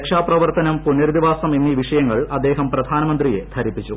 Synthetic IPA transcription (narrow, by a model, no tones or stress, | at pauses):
kʂaːprɐʋɐrt̪ɐnɐmpunːɐɾud̪iʋaːsɐmenːiʋiʂɐjɐŋːɐɭɐd̪ːe̞ːɦɐmprɐd̪ʱaːnɐmɐnd̪rije̞̰d̪ʰʱɐɾipːit͡ɕːu